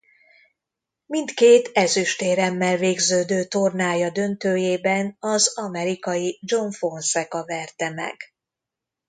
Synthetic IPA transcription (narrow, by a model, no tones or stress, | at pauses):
mint̪keːt̪ɛzyʃt̪eːɾɛmːɛlveːɡzøːd̪øːt̪o̞rnaːjɒd̪ø̞nt̪øːjeːbɛnɒzɒmɛɾikɒjid͡ʒo̞ɱfo̞nsɛkɒvɛrt̪ɛmɛ̰ɡ̥